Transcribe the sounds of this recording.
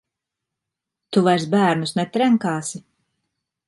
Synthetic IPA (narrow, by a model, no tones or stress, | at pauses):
t̪uvajɾsbæːɾnusnɛt̪ɾɛŋkaːsi